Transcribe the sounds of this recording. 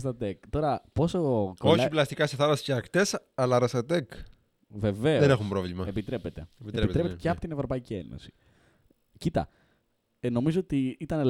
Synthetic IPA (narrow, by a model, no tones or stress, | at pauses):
st̪ɐt̪ekt̪o̞ɾɐpo̞sokooçliplɐst̪ikɐseθɐlɐsi̥ceɐkt̪esɐlɐɾɐst̪ɐt̪ek | ve̞ve̞enexumpɾovlimɐepit̪ɾe̞pe̞t̪e̞itepit̪ɾepet̪eceɐpo̞t̪ine̞vɾo̞pɐicie̞̰no̞̰si̥ | cit̪ɐ̰ | eno̞mizo̞ot̪iit̪ɐne